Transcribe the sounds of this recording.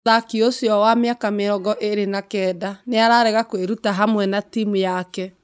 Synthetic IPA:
ðakiosjɔwameakameɾɔɡɔʔeɾenakɛːdaneaɾaɾɛɣakweɾutaɦamwɛnatimujakɛ

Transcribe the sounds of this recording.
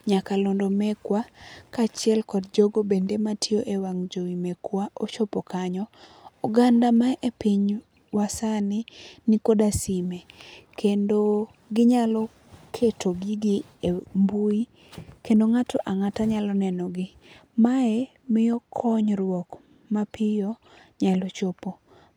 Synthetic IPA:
ɲakalɔndomɛkwakat͡ʃɪɛlkɔdd͡ʒoɡobendematʰɪoʔewaŋd͡ʒowimekwaʔot͡ʃɔpɔkaɲɔuɡandamaʔepiɲ | wasanɪnikodasimekʰendo | ɡɪɲalɔ | kʰetʰoɡiɡi | embui | kendoŋatʰɔʔaŋataɲalɔnɛnɔɡɪmae | mɪjɔkʰɔɲɾwɔk | mapɪjɔ | ɲalɔt͡ʃɔpo

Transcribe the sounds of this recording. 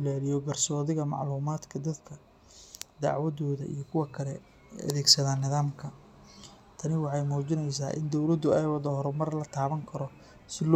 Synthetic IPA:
ɪlaːlɪjɔbɐrsɔːðɪɣɐmɑ̰ʕluːmaːd̪kʰɐd̪ɐd̪kʰɐ | d̪ɑ̰ʕwɐðɔːðɐ̰ḭjɞkʰʊwɐkʰɐlɛ | ɐ̰ðɛːɡsɐðaːnːɪðaːmkʰɐ | t̪ʰɐnɪwɑħɑjmuːt͡ʃɪnɛjs̬a̰ːʔɪ̰nd̪ɔwlɐd̪ʊɛjwɐðɔɦɔɾɛmɐrlɐt̪ʰaːβɐŋkʰɐɾɔ | sɪl

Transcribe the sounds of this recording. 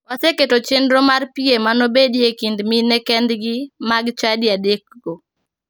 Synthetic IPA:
waseketot͡ʃendɾomarpiemanobedjekindminɛkɛnd̪ɡɪmaɡt͡ʃadjadek̚ɡo

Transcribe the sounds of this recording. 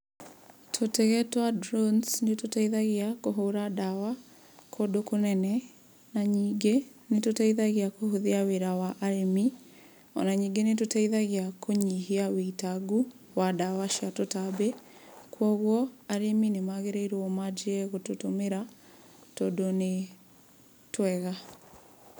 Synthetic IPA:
tʰotɛɣɛtwadɾonsnetotaiðaɣeakoɦoɾadawa | kʰodokonɛnɛ | naɲiːŋɡenetotaiðaɣeakohoðiaweɾawaʔaɾemi | ɔ̰naɲiːŋɡenetotaiðaɣeakʰoɲiɦiaweitaɡu | wadawaʃiatotabɛ | kʰwɔɣwɔaɾeminemaɣeɾeiɾwɔmad͡ʒeɛɣototomeɾa | todone | twɛɣa

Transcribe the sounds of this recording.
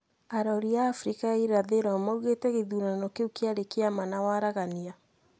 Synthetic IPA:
aɾɔɾiaːfɾikaiɾaðeɾamauɣetɛɣeðunanɔkeukeaɾekeamanawaɾaɣania

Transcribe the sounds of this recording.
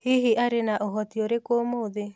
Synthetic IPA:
hiɦiʔaɾenaʔoɦɔt̪ioɾekomoðe

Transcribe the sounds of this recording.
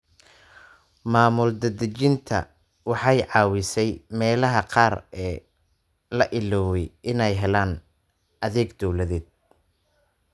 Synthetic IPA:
maːmʊld̪ɐd̪ɐt͡ʃɪnt̪ʰɐ̰ | wɑħɑjʕɑːwɪsɛjmɛːlɐɦɐqɑːrɛː | lɐʔɪlɔːwɛjɪnɛjɦɛlaːn | ɐðɛːɡd̪ɔwlɐðɛːd̪̚

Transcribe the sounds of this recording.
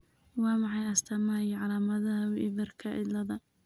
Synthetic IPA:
wɑːmɑħɑjɐst̪ʰɐmaːjɪʕɑlaːmɐðɐɐwʔɪbɐrkʰɐʔɪ̰lɐðɐ

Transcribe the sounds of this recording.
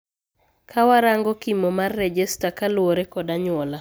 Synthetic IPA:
kʰawaɾaŋɡɔkimomarːɛd͡ʒɛstakalwoɾekɔdaɲwɔla

